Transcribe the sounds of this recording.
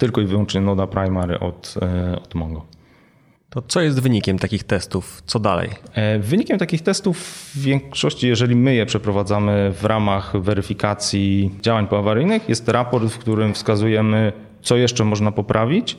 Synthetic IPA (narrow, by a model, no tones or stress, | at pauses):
t̪ɘlkɔivɘwɔnt͡ʂɲɛnɔd̪apɾajmaɾ̰ʔɔ̰t̪ɔd̪mɔŋɡɔ | t̪ɔt̪sɔjɛs̬t̪vɘɲikʲɛmt̪akʲixt̪ɛst̪uft̪sɔd̪a̰lɛ̰jvɘɲikʲɛmt̪akʲixt̪ɛst̪uvːʲjɛŋkʂɔɕt͡ɕijɛʐɛlʲimɘjɛpʂɛpɾɔvad̪zamɘvɾʔamaxvɛɾɘfʲikat̪sʲjid͡ʑawaɲpɔavaɾɘjnɘxjɛst̪ɾapɔɾt̪fkt̪uɾɘmfskazujɛmɘ | t̪sɔjɛʂt͡ʂɛmɔʐnapɔpɾʔavʲit͡ɕ